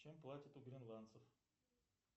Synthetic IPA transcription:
t͡ʃɛmplˠat̪ʲət̪ʊɡɾinlˠant̪səf

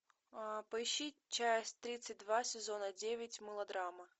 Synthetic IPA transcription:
pɐiɕit͡ʃasʲt̪ɾʲit̪sɨt̚ʲd̪vasʲɛzɔnɐd͡zʲevʲɪt͡sʲmɨlˠɐd̪ɾamɐ

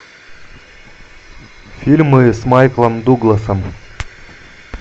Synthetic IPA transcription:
fʲilʲmɨsmajklˠəmd̪uɡlˠɐsəm

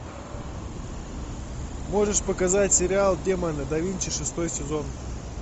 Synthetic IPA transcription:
mo̞ʐɨʂpəkɐzatʲsʲɪɾʲɪalˠdʲemanɨd̪ɐvʲinʲt͡ʃɪʂɨst̪o̞jsʲɪzon

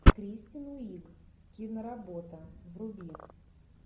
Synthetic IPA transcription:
kɾʲisʲtʲɪnuiɡ | kʲinəɾɐbot̪əvrʊbʲi

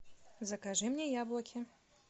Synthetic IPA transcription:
zɐkaʐɨmnʲɛjablˠɐkʲɪ

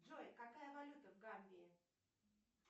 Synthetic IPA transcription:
ʐojkɐkajəvɐlʲut̪əvɡamʲbʲɪː

